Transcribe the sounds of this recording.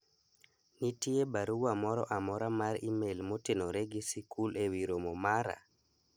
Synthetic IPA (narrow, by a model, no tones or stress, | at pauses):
nitiebaɾuwamɔɾɔʔamɔɾamaɾimelmotenɔɾeɡisikʰulewiɾomɔmaɾa̰